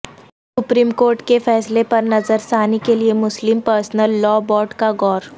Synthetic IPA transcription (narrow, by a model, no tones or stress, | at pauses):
sʊpɾiːmkoːɾʈkefɛːslepɐɾnɐzəɾsaːnikeliemʊslɪmpəɾsnəlːɔːbɔːʈkaɡɔːɾ